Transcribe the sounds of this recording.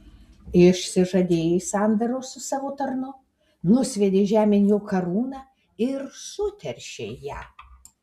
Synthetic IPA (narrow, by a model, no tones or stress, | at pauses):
ɪʃʲsʲɪʒɐd̪ʲeːjesɑnd̪ɐɾoːsʊsɑːʋoːt̪ɐɾnʊ | nʊsʲʋʲɛd̪ʲeːʒʲæːmʲɪnʲjoːkɐɾuːnɑː | ɪɾsʊt̪ʲɛɾʲʃʲeːjæ̰ː